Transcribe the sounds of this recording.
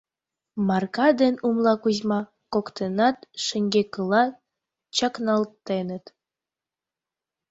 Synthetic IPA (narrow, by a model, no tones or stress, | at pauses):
mɑrkɑd̪enumlɑkuzmɑ | kokt̪enɑt̪ʃəŋɡekəlɑ | t͡ɕɑknɑlt̪enət̪